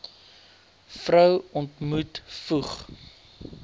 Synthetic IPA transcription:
frœwɔntmutfuχ

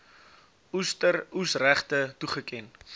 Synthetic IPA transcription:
ustərusræχtətuχəkɛn

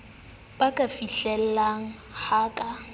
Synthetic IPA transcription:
b̥akʼafiɬɛl̩laŋ̩haːkʼa

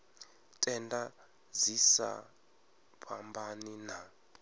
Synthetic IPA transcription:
tʼɛnda | d͡zisa̰ | pʰambanina

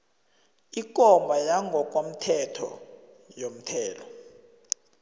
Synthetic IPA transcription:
ik̬ʼɔmbʱajaŋɡʱɔk̬ʼwom̩tʰɛtʰɔ̰ | jom̩tʰɛːlɔ

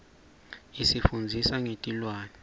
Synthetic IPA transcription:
isifund͡zʱisaŋetʼilwaːnɛ

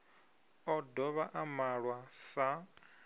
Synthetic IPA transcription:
ɔdɔβaʔamaɺwasa

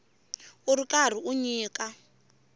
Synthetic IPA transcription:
uɾikar̤iʔuɲiːkʼa

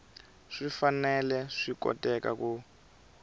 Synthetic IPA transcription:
ʂifanɛlɛʂikɔ̰tʼɛka̰ku

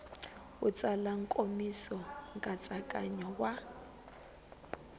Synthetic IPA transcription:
ut͡sʼalaŋkʼomisɔŋkʼat͡sʼakʼa̰ɲɔwa

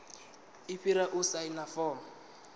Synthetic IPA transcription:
iɸiɾaʔʊsajnafɔːm

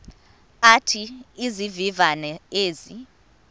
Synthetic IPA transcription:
atʰiizivivanɛeːzi

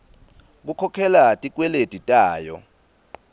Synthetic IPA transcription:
k̬ukʰɔkʰɛlatʼik̬ʼwɛletʼitʼaːjɔ̰

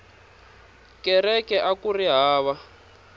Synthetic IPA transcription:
kɛrɛkɛʔakuriɦaːβa

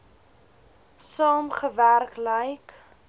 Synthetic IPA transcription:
sɑːmχəværkləjk

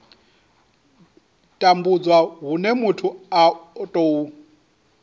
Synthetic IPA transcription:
tʼambud͡zwaɦunɛmutʰuatʼou

